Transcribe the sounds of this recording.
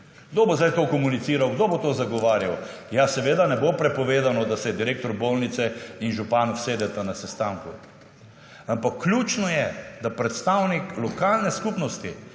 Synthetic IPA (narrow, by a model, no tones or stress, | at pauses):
ɡ̥d̪obozajt̪okɔmunit̪siːɾawɡd̪obot̪oːzaɡɔʋaːɾjaw | jasɛʋeːd̪anɛbopɾɛpɔʋeːd̪anɔd̪asɛd̪iɾeːkt̪ɔɾbolnit̪sɛinʒupaːnɔwseːd̪ɛt̪anasɛst̪aːŋku | ampakːlʲut͡ʃnɔjɛd̪apɾɛt̪st̪awniklɔkaːlnɛskupnɔst̪i